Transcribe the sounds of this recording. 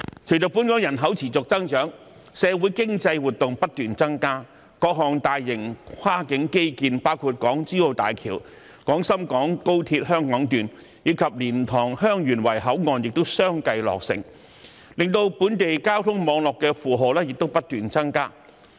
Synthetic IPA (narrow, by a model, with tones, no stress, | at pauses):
kʰi˨˩t͡sɵ˨pːuː˨˥nkɔː˨˥jɐ˨˩nɦɐ˨˥wt͡sʰiː˨˩t͡sʊ˨k̚t͡sɐ˥ŋt͡ʃœː˨˥ŋ | sɛː˨˧wuː˨˥jkɪ˥ŋt͡sɐ˧jwuː˨t̚t̪ʊ˨ŋpɐ˥t̚t̪yː˨nt͡sɐ˥ŋkaː˥ | kɔː˧˥k̚ɦɔː˨˩ŋt̪aː˨jːɪ˨˩ŋkʰwaː˥kɪ˨˥ŋke˥jkiː˧npaː˥wkʰuː˨˧t̚kɔː˨˥ŋt͡siː˥o˧wt̪a̰ː˨˩jkʰḭː˨˩w | kɔː˨˥ŋsɐ˥mkɔː˨˥ŋko˥wt̪ʰiː˧t̚ɦœː˥ŋkɔː˨˥ŋt̪yː˨˩n | jiː˨˧˥kʰɐ˨p̚liː˨˩nt̪ʰɔː˨˩ŋhœː˥ŋjyː˨˩nwɐ˨˩jɦɐ˨˥wŋɔː˨njɪ˨k̚t̪o˥wsœː˥ŋkɐ˧jlɔ̰ː˨k̚sɪ̰˨˩ŋ | lɪ˨ŋt̪o˧wpuː˨˥nt̪e˨jkaː˥wt̪ʰʊ˥ŋmɔː˨˧ŋlɔː˨kːɛː˧fuː˨˩ɦo˨wlɛː˥jɪ˨k̚t̪o˥wpɐ˥t̚t̪yː˨nt͡sɐ˥ŋkaː˥